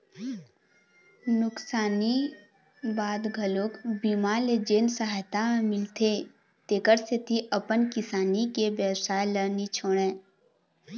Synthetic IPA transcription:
nʊksaːni | baːd̪ɡʱəloːkbiːmaːled͡ʒeːnsəɦaːjt̪amɪlt̪ʰe | t̪eːkəɾset̪ʰiʔəpənkɪsaːnikebəwsaːjlənit͡ʃʰoːɽ̃ẽː

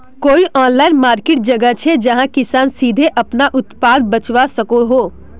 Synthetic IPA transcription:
koːiʔɔːnlaːɪnmaːɾkeːʈ̚d͡ʒɐɡət͡ʃʰed͡ʒɐɦãkɪsaːnsiːd̪ʱeʔɐpnaʔʊt̪paːd̪̚bɐt͡ʃʋasɐkoɦoː

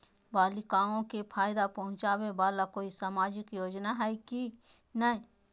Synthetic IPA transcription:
baːlɪkaːõkepʰaːɪd̪apɐɦʊ̃t͡ʃaːbebaːlakoːisamaːd͡ʒɪkjoːd͡ʒnaɦɛiki | nəĩ

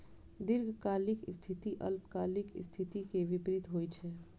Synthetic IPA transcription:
d̪ɪɾɡʱkaːlɪkst̪ʰɪt̪iʔə̰lpkaːlɪkst̪ʰɪt̪ikeʋɪpɾɪt̪ɦoːit͡ʃʰɛː

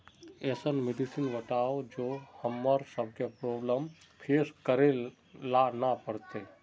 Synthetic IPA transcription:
eːsənmeɖisinʋəʈaod͡ʒohəmːəɾsəb̚ʱkepɾoːbləm | pʰeːskəɾe | lanapəɾt̪e

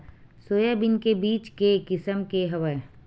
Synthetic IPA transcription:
soːjabɪnkebiːt͡ʃkekɪsəmkeɦɐʋəe

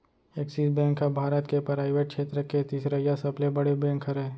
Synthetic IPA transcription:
eːksisbɛ̃ːŋkɦɛbʱaːɾət̪kepɾaːɪʋeʈ̚kʃʰeːt̪ɾəket̪iːsɾəjasɐblebɐɽebɛ̃ːŋkɦəɾɛ

